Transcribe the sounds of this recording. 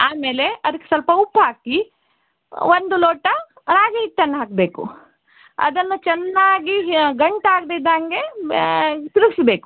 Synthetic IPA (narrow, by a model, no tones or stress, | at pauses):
aːme̞ːle̞ɐd̪ɐkːesɐlpɐupːɦaːki | ʋond̪uloːʈɐ | ɾaːɡiɦit̪ːɐnːɐɦaːkɐbeːkṵ | ɐ̰d̪ɐnːɐt͡ʃɛnːaːɡiɡɐɳʈaːɡd̪ed̪aːŋɡe | t̪iɾuɡisɐbeːku̥